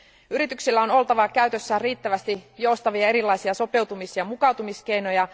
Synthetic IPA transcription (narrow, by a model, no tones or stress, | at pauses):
yɾit̪yksilːæo̞no̞lt̪ɑʋɑkæyɥt̪øsːæriːt̪ːæʋæst̪ijo̞ust̪ɑʋiɑe̞ɾilːɑjsiɑso̞pe̞wt̪umisjɑmukɑwt̪umiske̞jno̞jɑ